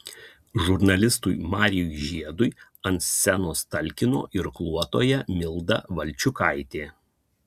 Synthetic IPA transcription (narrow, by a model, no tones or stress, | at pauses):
ʒʊɾnɐlʲɪst̪ʊjmɑːɾʲɪjujʒʲiɛd̪ʊj | ɐnsʲsʲɛnoːst̪ɐlʲkʲɪno̰ːʔɪɾklˠuɔt̪o̰ːjɛmʲɪlˠd̪ɐ̰ʋɐlʲˑt͡ʃʲʊkɐɪt̪ʲeː